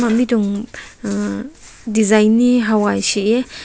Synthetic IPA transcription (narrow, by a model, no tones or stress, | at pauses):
mamiduŋ | dizajnːiɦawajsie